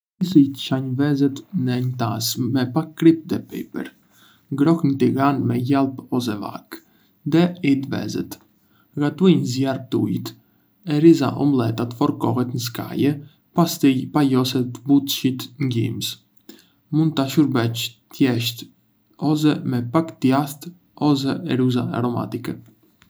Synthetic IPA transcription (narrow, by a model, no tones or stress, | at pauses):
isijt̪ə̥t͡ʃaɲvɛzɛt̪nɛɲt̪asmɛpakɾip̚d̪ɛpɛ̰pɛ̰ɾ | ɡɾɔknət̪iɣanmɛjalˠpɔsɛva̰k | ðɛid̪vɛ̰zɛ̰t̪ | ɡat̪ujɲzjar̚t̪ṵjt̪ | ɛɾiza̰ʔɔmlˠɛt̪at̪fɔɾkɔɦɛt̪nəs̬ka̰jɛ | past̪ijpajɔsɛt̪but̪ʃit̪ŋɡḭms | mund̪̚t̪aʃuɾbɛt͡ʃt̪jɛʃt̪ | ɔs̬ɛmɛpakt̪jast̪ | ɔs̬ɛɛɾuza̰a̰ɾɔma̰t̪ikɛ